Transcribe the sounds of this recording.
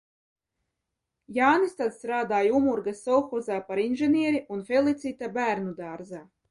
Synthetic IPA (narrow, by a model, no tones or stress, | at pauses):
jaːnist̪at̪st̪ɾaːd̪aːjumuɾɡasːɔwxɔzaːpaɾinʒeniɛɾiʔunfelˠit̪sit̪abæːɾnud̪aːɾza